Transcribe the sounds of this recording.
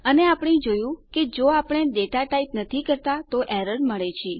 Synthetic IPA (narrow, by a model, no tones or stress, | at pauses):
əneapɳ̃ĩd͡ʒojũked͡ʒoapɽ̃eɖeʈaʈaipnət̪ʰikəɾt̪at̪oʔɛɾəɽməɭet͡ʃʰi